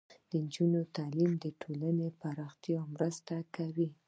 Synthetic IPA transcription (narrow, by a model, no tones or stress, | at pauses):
d̪̥ənd͡ʒunot̪alimd̪əʈʰolanepaɾɑxt̪jɑmɾəst̪akawi